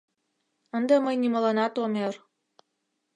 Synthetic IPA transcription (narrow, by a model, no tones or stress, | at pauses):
ənd̪əməjniməlɑnɑt̪omer